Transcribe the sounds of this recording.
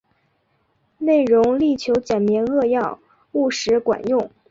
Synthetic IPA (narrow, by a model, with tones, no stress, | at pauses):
ne˥˩ɪɻʊ˧˥ŋli˥˩t͡ɕʰjo˧˥ʊt͡ɕjɛ˨˩nmjɛ˧˥nɤ˥˧jɑ˥˧ʊ | u˥˩ʂɻ̩˧˥kwa̰˨˩˦njʊ˥˩ŋ